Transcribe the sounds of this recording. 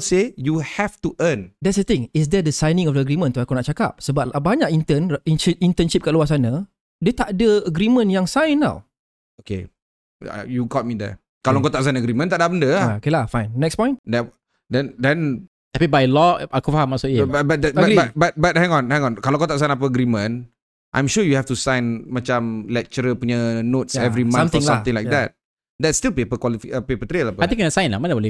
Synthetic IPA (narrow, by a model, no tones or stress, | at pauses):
sejuhɛftuʔəndɛtsət̪ɪ̃ŋɪs̬dɛdəsajnĩŋɔfdəːɡɾimə̃nt̪uakunaʔt͡ʃaka̰p̚səbap̚baɲakint̪əniniint̪ənʃip̚kaʔluas̬anə | dət̪aʔdəəɡɾimə̃njaŋsajnːa̰w | okḛ | a̰juɡɔt̚midɛ̰ | kalaŋkot̪aʔs̬aj̃nəɡɾimə̃nt̪aʔdabəndəaokelahfajnːɛkspɔ̃j̃ndɛ | dɛ̃ndɛ̃n | apibajlɔakufahãmːaʔsuʔjəbabat̚dɛtaɡiatbat̚bat̚hɛ̃ŋɔ̃nhɛ̃ŋɔ̃nkalõŋkot̪aʔs̬ãj̃nap̬əəɡɾimə̃n | ʔã̰jmʃujuhɛftusãj̃nmat͡ʃãmlɛk̚t͡ʃəɾəpuɲənotsɛvɾimããnmsãt̪ɪ̃ŋlajk̚dɛt̚ | dɛtstilpepəkwɔlifiəpepət̪ɾelapəat̪ĩŋkənasãj̃nla̰mãnawɔli